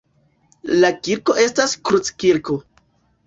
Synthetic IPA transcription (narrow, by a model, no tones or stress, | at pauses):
lakiɾko̞ʔe̞staskɾut͡skiɾko